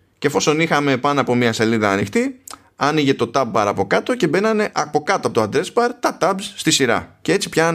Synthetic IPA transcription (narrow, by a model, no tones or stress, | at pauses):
cefo̞so̞nixɐme̞pɐnoɐpo̞miɐse̞liðɐːnixt̪i | ɐniʝe̞t̪o̞t̪ɐb̚ːɐɾɐpo̞kɐt̪o̞ce̞be̞nɐne̞ʔɐpo̞kɐt̪oɐpo̞t̪oɐnd̪ɾe̞sbɐɾt̪ɐt̪ɐbzst̪isiɾɐ̰cee̞t͡si̥pçɐ